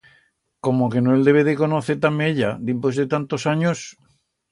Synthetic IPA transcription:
ko̞moke̞noeld̪e̞βeðeko̞noθet̪ameʎad̪impwe̞zðe̞t̪ant̪o̞saɲos

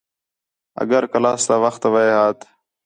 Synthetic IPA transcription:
ə̰ɡəɾkəlaːst̪aːʋəxt̪ʋəeːɦaːt̪

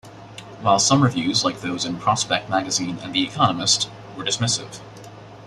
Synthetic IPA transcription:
waɪlˠsʌ̃mɹɨvjʉzlaɪk̚ðoʊzɨ̃npʰɹ̥ɑspɛk̚t̚mæɡɨzĩnɨ̰̃nðiɨkʰɑnəmɨst | wə˞dɨsmɪsɪ̰v̥

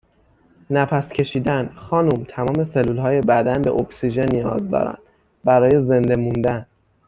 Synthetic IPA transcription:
næpʰæscʰe̞ʃiːd̪ænxɒːnumt̪ʰæmɒːme̞selːuːlhɒːje̞bæd̪ænbe̞̰ʔoksiʒe̞nːijɒ̰ːzd̪ɒ̰ːɾæ̰nd̪̥ | bæɾɒːje̞ze̞nd̪e̞mund̪æn

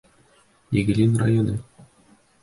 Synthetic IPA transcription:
eɡɘ̆lʲinra̰jonɤ

